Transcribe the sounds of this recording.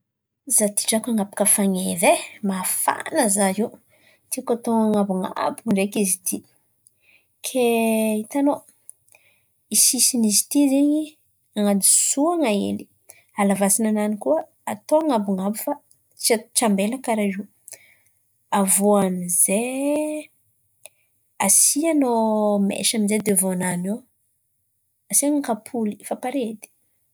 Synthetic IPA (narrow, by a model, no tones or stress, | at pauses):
zat̪i̥ʈ͡ʂakaŋapḁkəfaŋevemafa̰nəzaiw | t̪ikat̪oŋaŋabuŋa̰buɳɖ͡ʐekizit̪ʰi | kʰeit̪ano | isisinizi̥t̪izeɲi | aŋad̪isuaŋaḛli̥ | alavasinananikuə | at̪oaŋabuŋabufa | t͡ʃat͡ʃambelakaɾaʒi | avoanize | asianomḛʃaminzed̪evoanano | asiaŋakapʰulifapaɾed̪i̥